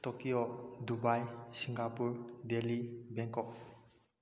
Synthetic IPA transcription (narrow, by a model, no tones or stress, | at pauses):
tɔkijɔdubajsiŋɡapuɾdelibɛŋkɔp̚